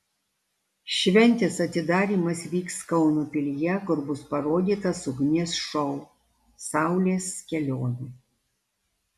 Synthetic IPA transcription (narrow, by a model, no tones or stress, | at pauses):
ʃʲʋʲɛnʲt̪ʲɪsɐt̪ʲɪd̪ɑːɾʲiːmɐsʋʲiːkskɒʊnuːpʲɪlʲɪjɛkʊɾbʊspɐɾoːd̪ʲiːt̪ɐsʊɡnʲeːsʃɔʊ | sɑˑʊlʲeːskʲɛlʲoːnʲuː